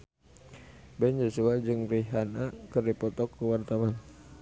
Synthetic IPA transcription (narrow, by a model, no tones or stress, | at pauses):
bɛnd͡ʒosuad͡ʒɨŋriɦanakɨrdipɔt̪ɔkːəwart̪awan